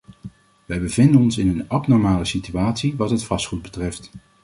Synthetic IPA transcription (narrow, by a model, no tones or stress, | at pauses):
ʋɛjbəvɪndənɔnsɪnənɑpnɔɹmaːləsityaːtsiʋɑtɦətfɑsχud̚bətrɛft